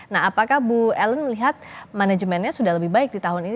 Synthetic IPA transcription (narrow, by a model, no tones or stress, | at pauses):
naɦapakahbuɛlənməliɦat̪̚manad͡ʒəmɛnɲasudahləbɪhbaɪk̚dit̪aɦʊnin